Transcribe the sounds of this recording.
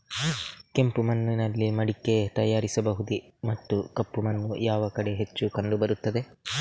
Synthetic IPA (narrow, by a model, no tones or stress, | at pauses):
ke̞mpumɐnːinɐlːimɐɽikːe̞t̪ɐjaːɾisɐbɐɦud̪i | mɐt̪ːukɐpːumɐnːujaːʋɐkɐɽe̞ɦet͡ʃːukɐɳɖubɐɾut̪ːɐd̪e̞